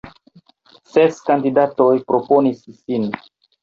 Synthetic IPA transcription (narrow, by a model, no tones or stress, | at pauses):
seskandidato̞jpɾo̞po̞nisːin